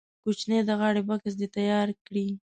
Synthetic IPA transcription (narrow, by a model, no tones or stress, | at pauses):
kut͡ʃned̪əɣɑɽebakas̬d̪et̪ajɑɾkɽi